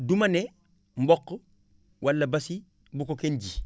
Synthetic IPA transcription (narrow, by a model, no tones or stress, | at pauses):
dumɐne | m̩bɔkː | wʔɐlːɐbɐsi | bukokenɟi